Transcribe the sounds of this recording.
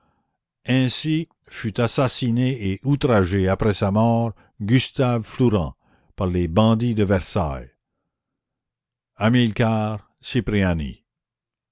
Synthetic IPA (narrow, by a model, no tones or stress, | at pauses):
ɛ̃si | fyt̪asasineeʔut̪ɾaʒeapɾɛsamɔːʁ | ɡyst̪avfluʁɑ̃ | paʁlebɑ̃d̪id̪əvɛʁsa̰j | amilkaːʁ | sipʁeanḭ